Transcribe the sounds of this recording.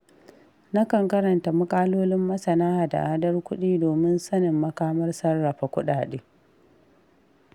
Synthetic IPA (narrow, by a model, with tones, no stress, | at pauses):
na˦kɐ˨ŋkɐ˦ɾɐ˨nta˨mʊ˦kʼaː˦loː˦lɪ˦mːɐ˦sɐ˨naː˦ha˨da̰˨ʔaː˦dɐ˦rkʷʊ˦ɗiː˦doː˨mɪ˦nsɐ˦nɪ˨mːɐ˦kaː˦mɐ˦rsɐ˦rːa˨ɸa˨kʷʊ˦ɗaː˨ɗeː˦